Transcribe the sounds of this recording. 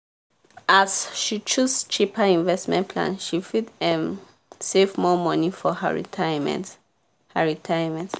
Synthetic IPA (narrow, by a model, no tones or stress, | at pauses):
ʔasʃit͡ʃust͡ʃʰipʰəĩnvɛstmɛ̰̃npʰlã̰nʃifidɛ̃m | sefmɔmɔnifɔhə̰ɹḭtʰajmɛ̰̃nt | həɹitʰajəmɛ̃nt